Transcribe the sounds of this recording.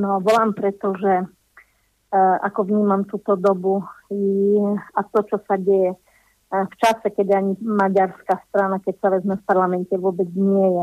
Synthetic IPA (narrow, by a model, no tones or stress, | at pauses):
nɔʋɔlampɾɛt̪ɔʒɛ | ʔa̰kɔʋɲiːmamt̪uːt̪ɔd̪ɔbujiat̪ɔt͡ʃɔsaɟɛjɛ | ft͡ʃasɛkɛd̪ɪaɲimaɟaɾskast̪ɾanakɛcsaʋɛzmɛfpaɾlamɛntɛʋʊɔbɛd͡zɲɪɛjɛ